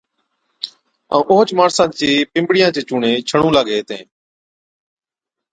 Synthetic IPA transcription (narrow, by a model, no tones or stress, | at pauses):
ã̰ːʔoːt͡ʃmaːɽsãːt͡ʃeːpɪ̃mbɽɪjãːt͡ʃeːt͡ʃuːɳẽːt͡ʃʰəɳũːlaːɡeːt̪ẽː